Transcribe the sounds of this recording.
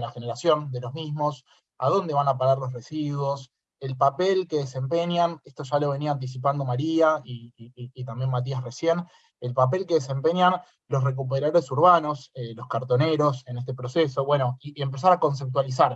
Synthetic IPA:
laxeneɾasjo̞nd̪e̞lozmismo̞s | a̰ðo̞nd̪e̞βanapaɣaɾlo̞sresiðwo̞s | e̞lpapelke̞ðese̞mpenjanest̪oʒalo̞β̞e̞niaːnt̪̬is̬ip̬and̪o̞maɾiaiːt̪ambje̞nmat̪̬iasre̞sje̞n | elpap̬e̞lke̞ðes̬e̞mpe̞ɲjan | lo̞sre̞k̬up̬eɾaðoɾesuɾβano̞selo̞skaɾt̪o̞ne̞ɾo̞se̞nest̪e̞pɾo̞seso̞βwe̞no̞ie̞mpe̞s̬aɾako̞ns̬ep̚t̪walis̬aɾ

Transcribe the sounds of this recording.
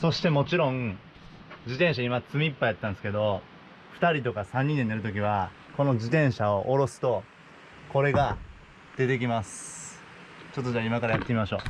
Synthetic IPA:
so̞ɕi̥t̪e̞mo̞t͡ɕiɾõ̞ŋ | d͡ʑit̪ẽɕ̬aimat͡sɨmʲiːpːaiat̪ːãnesɨ̥ke̞d̪o̞ | ɸɯ̟̥t̪aɾʲit̪o̞kasãɲ̟ːĩnd̪ed̪eɾɯ̟t̪̬o̞k̬ʲiβ̞a | ko̞no̞d͡ʑit̪ẽ̞ɰ̃ɕaoʔoɾo̞sɨ̥t̪o̞ | ko̞ɾe̞ɡa | d̪̥e̞t̪e̞k̬ʲimasɨ̥ | t͡ɕo̞t̪ːoʑaːimakaɾajat̪ːemʲimaɕo̞ː

